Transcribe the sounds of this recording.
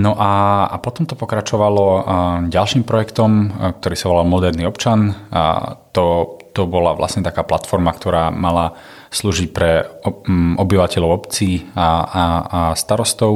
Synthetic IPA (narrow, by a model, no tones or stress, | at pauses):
nɔʔaa̰pɔt̪ɔmt̪ɔpɔkɾat͡ʃɔʋalɔɟalʃiːmpɾɔjɛkt̪ɔmk̚t̪ɔɾiːsaʋɔlalmɔd̪ɛɾniɔpt͡ʃan | t̪ɔt̪ɔbɔlaʋlʔa̰sɲɛt̪akaːplat̪fɔɾmakt̪ɔɾaːmala | sluːʒicpɾɛ | ʔɔbiʋacɛʎɔʊɔpt͡siː | st̪aɾɔst̪ɔʊ